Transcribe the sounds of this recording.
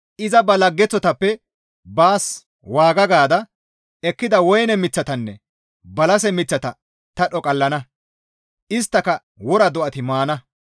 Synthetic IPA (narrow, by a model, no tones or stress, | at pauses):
ʔɪzɐbɐlɐɡːɛt͡sːɔt̪ɐpːɛ | baːs | waːɡɐɡaːd̪ɐ | ɛkːɪd̪ɐwɔjnɛmɪt͡sːɐt̪ɐnːɛ | bɐlɐsɛmɪt͡sːɐt̪ɐ̰ | t̪ɐɗɔkʼɐlːɐnɐ | ʔɪst̪ːɐkɐ | wɔɾɐd̪ɔʔɐt̪ɪmaːnɐ